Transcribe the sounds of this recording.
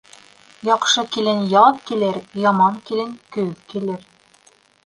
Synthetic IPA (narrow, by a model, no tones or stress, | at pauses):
jɒqʃɤkilɘnjɑðkilɘɾjɑmɑŋkilɘnkɵðkilɘɾ